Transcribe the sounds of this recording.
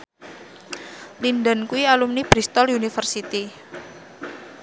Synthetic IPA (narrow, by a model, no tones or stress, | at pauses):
linɖa̤nkuialumnib̥ɾist̪ɔljunifərsit̪i